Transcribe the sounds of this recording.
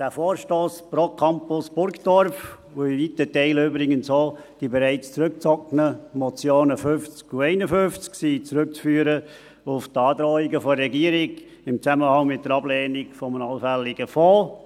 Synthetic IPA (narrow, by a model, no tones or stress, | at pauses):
d̥æːfoːɾʃtoːspɾokʰɑmpʊsb̥ʊɾkd̥ɔɾf | uivitətɛɪløːbɾɪɡənsoːd̥ibeɾɛɪt͡st͡sɾʉk̚t͡sɔknəmɔt͡sjoːnəfʏft͡skuɛɪnəfʏft͡sksit͡sɾʉk̚t͡sfyːɾə | ʊftɑːd̪ɾɔːɪɡəfɔɾɛɡiəɾɪɡ | ɪmt͡sæməhɑŋmɪt̚dəɾɑblɛːnɪɡfɔmnɑlfælːɪɡəfoː